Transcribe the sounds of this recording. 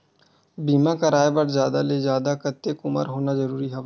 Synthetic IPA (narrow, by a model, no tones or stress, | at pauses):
biːmãːkəɾaːebəɾzjaːd̪aːleːzjaːd̪aːkət̪ːeːkʊmə̰ɾɦoːnaːzəɾuːɾiːɦɛː